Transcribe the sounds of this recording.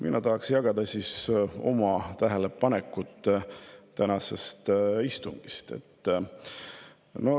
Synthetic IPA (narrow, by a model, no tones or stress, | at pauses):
mʔinɑt̪ɑɦɑksjɑɡ̥ɑd̪̥ɑsiso̞̰mɑt̪æɦelepɑnekːut̪ːˑt̪ænɑse̞st̪ist̪uŋɡ̥ist̪e̞̰t̪ːˑ | no̞